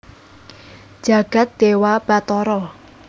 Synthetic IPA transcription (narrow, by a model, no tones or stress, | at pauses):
d͡ʒ̥a̤ɡ̥a̤t̪̚d̪̥ewab̥at̪ɔɾɔ